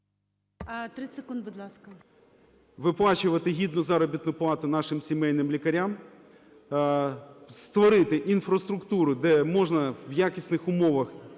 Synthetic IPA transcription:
ɐt̪ɾɪsekund̪bʊd̪lˠɑskɐ | ʋɪplˠɑt͡ʃʊʋɐt̪ɪɦʲid̪nʊzɑɾɔbʲit̪nʊplˠɑt̪ʊnɑʃɪmsʲimɛjnɪmlʲikɐɾʲam | st̪ʋɔɾɪt̪ɪʔinfɾɐst̪ɾʊkt̪uɾʊd̪ɛmɔʒnɐwjakʲisʲnɪxʊmɔʋɐx

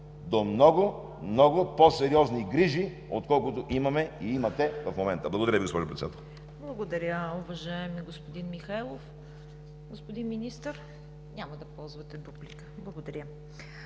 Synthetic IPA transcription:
d̪omnɔɡʊ | mnɔɡʊposɛɾiɔzniɡɾiʒi | o̰t̪kɔlˠkʊt̪oʔimɐmɛiimɐt̪ɛvɐfmomɛnt̪əblˠɐɡod̪ɐɾəviɡospɔʒoʊpɾɛt̪ɛd̪at̪əl | blˠɐɡod̪ɐɾʲəʊvɐʒaɛmiɡospod̪inmixajlˠof | ɡospod̪inminist̪əɾ | nʲamɐd̪ɐpɔlˠzvɐt̪ɛbublikə̥blˠɐɡod̪ɐɾʲjə

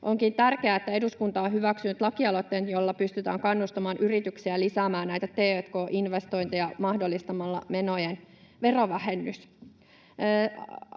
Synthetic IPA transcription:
ʔoŋkint̪ærkeæːet̪ːæe̞duskunt̪ɑːɦyʋæksynyt̪lɑkiɑlot̪ːeːnjolːɑpyst̪yt̪æ̰ːŋkɑnːust̪ɑmɑːnʔyrit̪yksiælisæːmæːnnæjt̪æt̪eːøt̪koːʔinʋest̪o̞int̪ijɑmɑhdolːist̪ɑmɑlːɑ̰menojenʋe̞roʋæhenːys

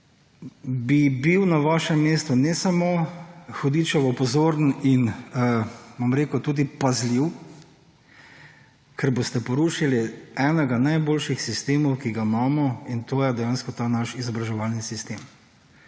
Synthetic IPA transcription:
bibiwnaʋaːʃɛmːeːst̪unɛsamoxɔd̪iːt͡ʃɔʋɔpɔzoːɾnin | ʋamɾeːkut̪uːd̪ipazliw | kʰɛɾbost̪ɛpɔɾuːʃiliɛnɛɡanajboːlʃixsist̪eːmɔwkiɡamaːmɔint̪oːjɛd̪ɛjanskɔt̪aːnaʃizɔbɾaʒɛʋalnisist̪em

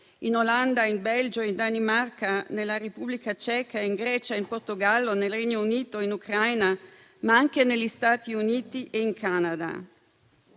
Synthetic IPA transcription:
inoland̪aimbɛld͡ʒoind̪animarkanelːaɾepublikat͡ʃɛːkaeiŋɡɾɛːt͡ʃaimport̪oɡalːonelreɲːouniːt̪oinukɾajna | maaŋk̟enelʎːist̪aːt̪iuniːt̪iʔeiŋkʰanad̪a̰

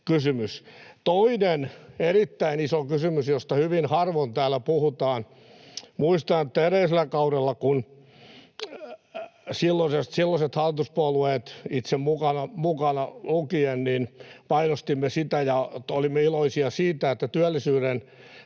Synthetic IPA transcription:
kysymyst̪oineneɾit̪ːæinisokysymysjost̪ɑhyʋinhɑrʋont̪æːlːæpuhut̪ɑːn | muist̪ɑnet̪ːæeɾeiselˑækɑurelːɑkun | silːosest̪silːɑset̪hɑlːit̪uspuɑlueːt̪it̪semmukɑnɑmukɑnɑlukienninpɑinost̪imːesit̪æjɑolimːeiloisiɑsiːt̪æet̪ːæt̪yælːisyːɾen

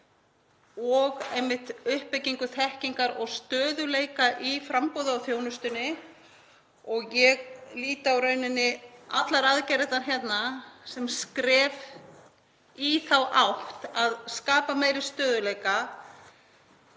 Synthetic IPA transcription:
ɔɣejmːɪht̪ʏhpːɪciŋkʏθɛhciŋkaɾɔɣst̪œːðʏleːjkaʔifɾampoːðʏawθjownʏst̪ʏnːɪ | ɔɣjɛɣliːt̪awɾœːɥnɪnːɪa̰t̪laɾaðcɛjɾɪt̪ançjɛt̪nasɛmskɾɛːv | iθawʔawht̪aðskaːpameːjɾɪst̪œːðʏlejka

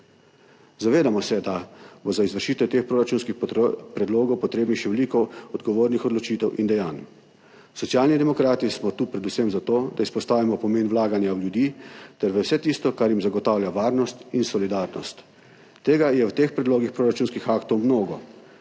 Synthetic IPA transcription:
zaʋeːd̪amɔsɛd̪abozaizʋəɾʃiːt̪ɛt̪eːxpɾoːɾat͡ʃuːnskixpɾɛd̪loːɡɔwpɔt̪ɾeːbnixʃɛʋɛliːkɔɔd̪ɡɔʋoːɾnixɔd̪lɔt͡ʃiːt̪ɛwʔind̪ɛjaːn | sɔt̪sijaːlnid̪ɛmɔkɾaːt̪ismɔt̪uːpɾɛd̪usɛmzat̪oːd̪aispɔst̪aːʋimɔpɔmeːnwlaːɡanjawlʲjud̪iːt̪ɛɾʋəwsɛt̪ist̪ɔkaɾjimzaɡɔt̪aːwljaʋaːɾnɔst̪insɔlid̪aɾnɔst̪ | t̪ːeːɡajɛwt̪eːxpɾɛd̪loːɡixpɾoːɾat͡ʃuːnskixaːkt̪ɔwmnoːɡɔ

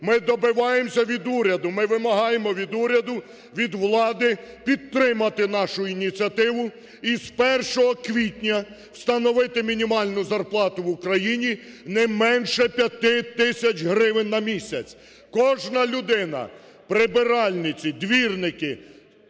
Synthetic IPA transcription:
mɪd̪ɔbɪʋɑjemsʲɐʋʲid̪uɾʲɐd̪ʊmɪʋɪmɐɦɑjemɔʋʲid̪uɾʲɐd̪ʊ | ʋʲid̪ʋlˠɑd̪ɪpʲid̪ɾɪmɐt̪ɪn̪ɑʃʊinʲit͡sʲiɐt̪ɪʋʊ | ispɛrʃɔɦɔkʋʲitʲnʲɐ | w̥st̪ɐnɔʋɪt̪ɪmʲinʲimɑlʲnʊzɐrplˠɑt̪ʊʋʊkɾɐjinʲinɛmɛnʃɛpʲjɐt̪ɪt̪ɪsʲɐt͡ʃɦɾɪʋɪnːɐmʲisʲɐt͡sʲ | kɔʒnɐlʲʊd̪ɪnɐ̰ | pɾɪbɪɾɑlʲnɪt͡sʲid̪ʋʲirnɪkɪ

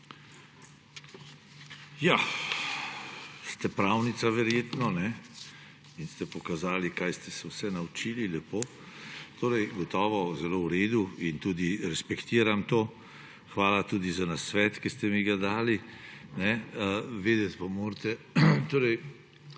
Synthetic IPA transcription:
ja | st̪ɛpɾawnit̪saʋɛɾjeːt̪nɔnɛ | inst̪ɛpɔkazaːlikajst̪ɛsɛwsɛnawt͡ʃililɛpoː | t̪ʰoːɾɛjɡɔt̪ɔːʋɔzɛlowɾeːd̪uint̪uːd̪iɾɛspɛkt̪iːɾamt̪oː | xʋaːlat̪uːd̪izanasʋɛːt̪kist̪ɛmiɡad̪aːlinɛʋeːd̪ɛt̪pamoːɾt̪ɛ | t̪oːɾɛj

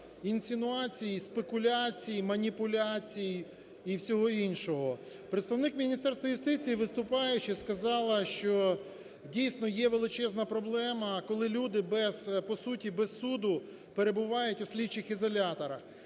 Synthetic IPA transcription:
insʲɪnʊɑt͡sʲijispekʊlʲat͡sʲijimɐnʲipʊlʲat͡sʲij | iwsʲɔɦɔinʃɔɦɔ | pɾet̪st̪ɐʋnɪkmʲinʲist̪ɛrst̪ʋɐjʊst̪ɪt͡sʲijiʋɪst̪ʊpɑjʊt͡ʃɪskɐzɑlˠɐʃt͡ʃɔ | dʲijsnɔjɛʋe̞lˠɪt͡ʃɛznɐpɾɔblˠɛmɐkɔlˠɪlʲud̪ɪbɛz̥pɔsutʲibɛsud̪ʊ | peɾebʊʋɑjʊtʲʊsʲlʲit͡ʃːɪxizɔlʲat̪ɔɾɐx

